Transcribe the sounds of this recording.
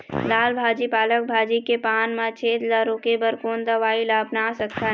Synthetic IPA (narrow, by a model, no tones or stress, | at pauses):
laːlbʱaːd͡ʒipaːlək̚bʱaːd͡ʒikepaːnmãt͡ʃʰeːd̪laɾoːkebəɾkoːnd̪əʋaːilaːpnasəkt̪a